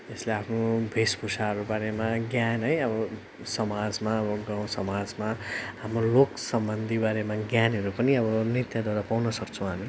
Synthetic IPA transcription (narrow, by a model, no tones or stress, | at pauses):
esleapʰnobʱespʰusaɦʌɾubaɾemaɡjanɦʌjʌbʌ | sʌmad͡zmaʌbʌɡaw̃sʌmad͡zmaɦamroloksʌmbʌnd̪ʱibaɾemaɡjanɦʌɾupʌniʌbʌnit̪jad̪ʱwaɾapawnʌsʌkt͡sʰũɦani